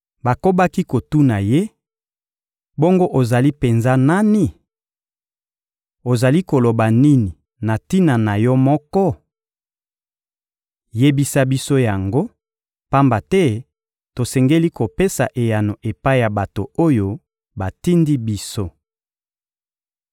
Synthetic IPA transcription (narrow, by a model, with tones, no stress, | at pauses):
ba˨ko˦ba˦ki˦ko˨tu˦na˨je˦ | bo˦ŋɡo˦ʔo˨za˨li˦pe˨nza˦na˦ni˦ | o˨za˨li˦ko˨lo˨ba˨ni˦ni˨ | na˨ti˦na˨na˨jɔ˦mɔ˦kɔ˦ | je˦bi˦sa˦bi˦so˦ja˨ŋɡo˦ | pa˦mba˨tɛ˦ | to˨sɛ˨ŋɡe˦li˦ko˨pe˦sa̰˨ʔe˨ja˨no˨ʔe˨pa˦i˦ja˨ba˨to˨o˦jo˦ | ba˨ti˦ndi˦bi˦so˦